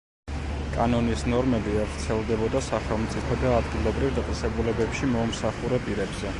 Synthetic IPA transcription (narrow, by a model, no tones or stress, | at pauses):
kʼanɔnisnɔɾmɛbiavɾt̪sʰɛlˠd̪ɛbɔd̪asaχɛlˠmt̪sʼipʰɔd̪aːd̪ɡilˠɔbɾivd̪at̪ʼɛsɛbulɛbɛpʃimɔmsaχuɾɛpʼiɾɛbzɛ